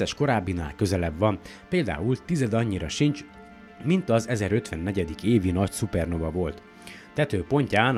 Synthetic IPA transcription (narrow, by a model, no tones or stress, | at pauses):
ɛʃko̞ɾaːbːina̰ːlkø̞zɛlɛbvɒn | peːld̪a̰ːult̪izɛd̪ɒɲːiɾɒʃint͡ʃ | mint̪ɒzɛzɛɾø̞t̪ʋɛnːɛɟɛd̪ikeːvinɒcsupɛrno̞vɒvo̞lt̪ | t̪ɛt̪øːpo̞ɲcaːn